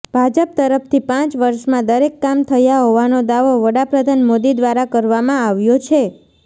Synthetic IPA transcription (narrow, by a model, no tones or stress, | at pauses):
bʱad͡ʒəp̚t̪əɾəpt̪ʰipãt͡ʃʋəɾʃmãd̪əɾekːamt̪ʰəjaɦoʋanod̪aʋoʋəɽapɾəd̪ʱanmod̪id̪ʋaɾakəɾʋamãaʋjot͡ʃʰe